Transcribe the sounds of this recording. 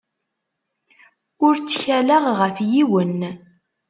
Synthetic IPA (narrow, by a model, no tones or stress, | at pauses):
ʊɾt͡sːçæləʁʁəfjiwən